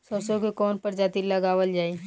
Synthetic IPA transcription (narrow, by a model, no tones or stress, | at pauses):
sɔːsõkekɔːnpɐɾd͡ʒaːt̪ilɐɡaːʋəld͡ʒaːi